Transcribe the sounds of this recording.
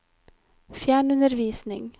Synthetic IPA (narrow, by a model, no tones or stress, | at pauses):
fjæːɳʉnəɾʋiːsnɪ̰ŋ